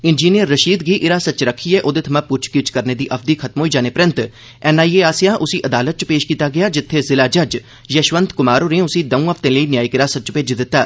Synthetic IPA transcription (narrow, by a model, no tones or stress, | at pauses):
ɪnd͡ʒiːnijəɾːəʃiːd̪ɡiːʔɪɾaːsət͡ʃɾəkʰːiːɛːʔoːd̪eːt̪ʰmãːpʊt͡ʃʰkɪt͡ʃkəɾneːd̪iːʔəpʰd̪iːkʰət̪mɦoːid͡ʒaːneːpɾɪnt̪ | ɛːnaːiːeːaːsijãːʔʊsiːʔəd̪aːlət̪̚t͡ʃpeːʃkiːt̪aːɡɪjaːd͡ʒɪt̪ʰːeːzɪlaːd͡ʒəd͡ʒ | jəʃʋənt̪kʊmaːɾoːɾẽːʊsiːd̪əũːəpʰt̪ẽːləiːnɪjaːikɪɾaːsət͡ʃpeːd͡ʒd̪ɪt̪ːaː